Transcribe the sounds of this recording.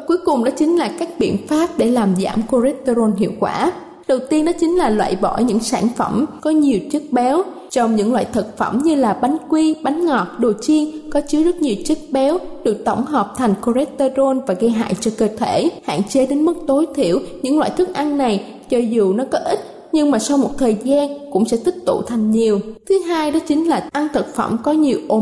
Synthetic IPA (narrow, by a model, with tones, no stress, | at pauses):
ku˨˦əjkʊ˨˩ŋ͡mɗɔ̰˨˦t͡ɕï˨˦ŋ̟laː˨˩kaː˦˥k̚ɓḭ˧˨ənfaː˦˥p̚ɗe˧˩laː˨˩mza̰ː˧˩mko˧zɛ˦˥t̚t̪o˧zo˧nɦḭ˧˨əwkwaː˧˩ | ɗə˨˩wt̪i˧ənɗɔ˨˦t͡ɕï˨˦ŋ̟laː˨˩lwa̰ː˧˨jɓɔ̰˧˩ɲɨ̰˧˥ŋsaː˧˩nfə̰˧˩mkɔ˨˦ɲi˨˩əwt͡ɕɨ˦˥k̚ɓɛ˨˦w | t͡ɕɔ˧wŋ͡mɲɨ̰˧˥ŋlwa̰ː˧˨jt̪ʰə˨˩t̚fə˧˩mɲɨ˧laː˨˩ɓa˨˦ŋ̟kwi˧ɓa˨˦jŋ̟ŋɔ˨˩t̚ɗo˨˩t͡ɕi˧ənkɔ˨˦t͡ɕɨ˨˦zə˦˥t̚ɲi˨˩əwt͡ɕə˦˥t̚ɓɛ˨˦wɗɨ˨˩ək̚t̪ə̰˧˩wŋ͡mɦɔː˨˩p̚t̪ʰa˨˩jŋ̟ko˧zɛ˦˥t̪e˧zo˧nvaː˨˩ɣə˧jɦa̰ː˧˨jt͡ɕɔ˧kəː˧˩t̪ʰe˧˩ha̰ː˧˨nt͡ɕe˨˦ɗe˨˦nmɨ˦˥k̚t̪o˨˦jt̪ʰḭ˧˩˨əwɲɨ̰˧˥ŋlwa̰ː˧˨jt̪ʰɨ˦˥k̚ʔa˧nna˨˩j | t͡ɕɔ˧zu˨˩nɔ˨˦kɔ˨˦ʔi˦˥t̚ | ɲɨ˧ŋmaː˨˩sa˧wmo˨˩t̚t̪ʰəː˨˩jzaː˧nkʊ̰˧˥ŋ͡msɛ̰˧˥t̪ï˦˥k̚t̪ṵ˧˨t̪ʰa˨˩jŋ̟ɲi˨˩əwt̪ʰɨ˨˦ɦaː˧jɗɔ˨˦t͡ɕï˨˦ŋ̟laː˨˩ʔa˧nt̪ʰə˨˩t̚fə̰˧˩mkɔ˨˦ɲi˨˩əwʔo˧